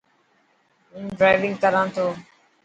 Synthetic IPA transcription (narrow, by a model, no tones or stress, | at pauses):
ũːɖɾaːɪʋɪ̃ŋɡkəɾãːnt̪ʰoː